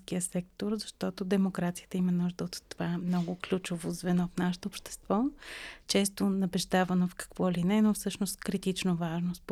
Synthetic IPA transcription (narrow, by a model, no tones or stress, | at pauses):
sk̟iəsɛk̚t̪oɾzɐʃt̪ɔt̪od̪ɛmokɾat̪sijə̥t̪əimənuʒd̪əot̪ːovamnɔɡʊklʲut͡ʃovozvɛnɔfnaʃɛt̪oːpʃt̪ɛ̥st̪vɔt͡ʃɛst̪onɐbɛʒd̪avənofkɐ̥kvɔlinɛnofsɤʃnost̪kɾit̪it͡ʃnovaʒnosp